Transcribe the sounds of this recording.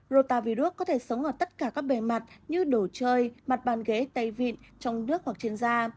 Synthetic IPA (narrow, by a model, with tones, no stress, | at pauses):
zo˧˩t̪aː˧˩vi˧ɗu˦˥əkːɔ˨˦t̪ʰe˧˩sə˨˦wŋ͡mʔəː˧˩t̪ə˦˥t̚kaː˧˩kaː˦˥k̚ɓe˧˩ma˨˩t̚ɲɨ˧ɗo˧˩t͡ɕəː˧jma˨˩t̚ɓaː˨˩nɣe˨˦t̪ə˧jvḭ˧˨nt͡ɕɔ˧wŋ͡mnɨ˦˥ək̚hwa˨˩k̚t͡ɕi˧ənzaː˧